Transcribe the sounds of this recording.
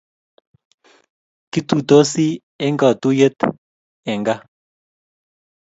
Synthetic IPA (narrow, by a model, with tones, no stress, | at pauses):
ki˦t̪u˨t̪o˦si˦ | ɛ˦ŋɡa˨t̪u˦je˦t̪ | ɛ˨ŋɡa˦